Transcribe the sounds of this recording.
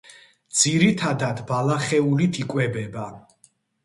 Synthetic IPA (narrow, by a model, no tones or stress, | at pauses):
d̪z̥iɾit̪ʰad̪ad̪balaχɛulit̪ʰikʼwɛbɛba